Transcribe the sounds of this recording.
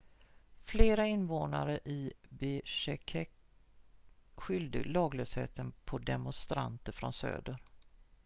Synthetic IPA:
fleːɾaɪnvoːna̰ɾəʔɪbɪʂɛkʰɛk | ɧʏld̪əlɑːɡløːshḛːt̪ənpʰɔd̪ɛmʊnst̪ɾa̰nt̪əɾfɾɔnsø̰ːd̪əɾ

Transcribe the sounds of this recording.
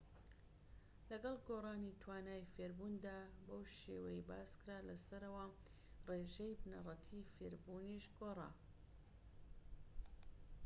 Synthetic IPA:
lɐɡɐlˠɡoːrˤɑːnit̪ʰwaːnaːjfeɾbuːnd̪aːbowʃḛwɐjibaːskɨɾaːlɐsɐɾɐwɐ | reːʒejbnɐ̰rˤɐt̪ʰiːfeɾbuːniʃɡoːra̰ː

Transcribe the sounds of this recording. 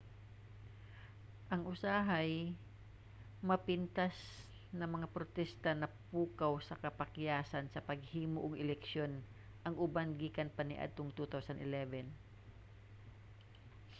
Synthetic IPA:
ʔɐŋʔʊsaːɦaj | mɐpɪnt̪as | nɐŋmɐŋapɾot̪ɛst̪ɐnɐpuːkawsɐkɐpɐkjaːsɐnsɐpɐɡ̚hiːmoʔoɡɛlɛkʃjo̞n | ʔɐŋʔʊbanɡiːkɐnpɐnɪʔa̰d̪̚t̪oŋt̪ut̪awsɐnɪlɛvɛn

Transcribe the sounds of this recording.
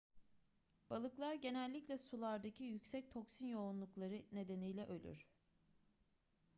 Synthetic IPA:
b̥alˠɯklˠaɾɟe̞nɛlʲːiclʲɛsulˠaɾd̪acʰijycsɛc̚t̪ʰo̞ksinjo̞unlˠuklˠaɾɯne̞d̪e̞nijlʲɛʔø̞lʲy̰ɾ̥

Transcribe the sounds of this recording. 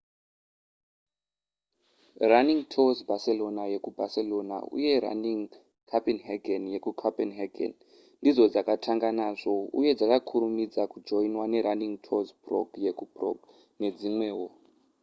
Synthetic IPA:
raniŋtʰozbase̞lo̞naje̞kubʱase̞lo̞na̰ṵje̞ɾa̰niŋ | kʰapinɦeɡenje̞kukʰapenɦaɡʱḛn | ndid͡zo̞d͡zakatʰaŋɡanaːʐo̞ṵje̞d͡zakakʰuɾumid͡zakud͡ʒo̞inwane̞ɾaniŋtʰozbro̰ɡje̞kubro̰ɡ | ne̞d͡zimwe̞ːwo

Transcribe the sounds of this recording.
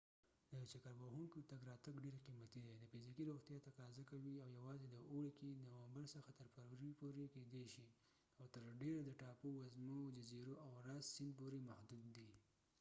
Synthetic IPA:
d̪ət͡ʃakaɾbahuŋkot̪aɡɾɑt̪aɡɖeɾqimat̪id̪ad̪əfɪzikiɾoxt̪jɑt̪aqɑzakawiawjawɑzed̪əʔoɽekinawambaɾsəxat̪əɾpaɾɾipoɾeked̪eʃi | awt̪əɾɖeɾad̪əʈɑpowazmod͡ʒaziɾoʔawɾassɪnd̪̚poɾemahd̪ud̪ːi

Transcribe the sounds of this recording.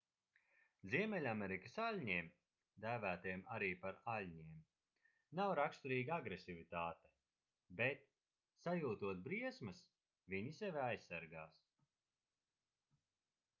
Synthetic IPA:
ziɛmɛlʲameɾikasalʲɲiɛm | d̪æːvæːt̪iɛmaɾiːpaɾalʲɲiɛm | nawɾakst̪uɾiːɡaaɡɾesivit̪aːt̪ɛ̥ | bet̪̚ | sajuːt̪uɔt̪̚bɾiɛsmɨs | viɲisɛvʲajsːaɾɡaːs

